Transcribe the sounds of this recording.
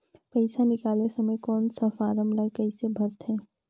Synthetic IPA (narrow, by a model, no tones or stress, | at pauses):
pəɪsanɪkaːlesəməjkɔːnsəfʰaɾəmlakəɪsebʱəɾt̪ɦɛ̃ː